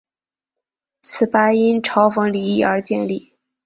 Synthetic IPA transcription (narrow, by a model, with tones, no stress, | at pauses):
t͡sʰɹ̩˨˩pa˥i˥nʈ͡ʂʰɑ˧˥ʊfɤ˧˥ŋli˨˩˥i˥˩ə˞˧˥t͡ɕjɛ˥˧nli˥˩